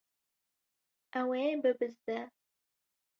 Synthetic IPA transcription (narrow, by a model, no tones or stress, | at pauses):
aweːbɨbɨzdɐ